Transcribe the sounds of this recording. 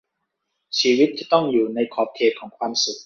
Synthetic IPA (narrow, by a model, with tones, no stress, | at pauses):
t͡ɕʰiː˧wi˦˥t̪̚ʰːiː˥˧˩t̪ɔ˥˩ŋjuː˨˩na˧jkʰɔː˨˩p̚kʰeː˨˩t̚kʰɔː˩˦ŋkʰwaː˧msu˨˩k̚